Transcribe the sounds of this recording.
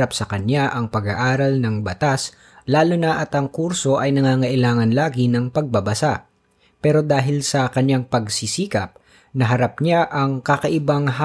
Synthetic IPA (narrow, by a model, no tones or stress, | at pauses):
apsɐkɐɲjaʔɐŋpɐɡaʔaːɾɐlnɐŋbɐt̪as | laːlʊnɐʔɐt̪ʔɐŋkuɾso̞ʔɐjnɐŋaːŋɐʔɪlaːŋɐnlaːɡɪnɐŋpɐɡ̚bɐbɐsaʔ | pɛːɾo̞d̪aːɦɪlsɐkɐɲjaŋpɐɡsisiːkɐp̚ | nɐɦɐɾap̚ɲaʔɐŋkɐkɐʔɪbaŋɦ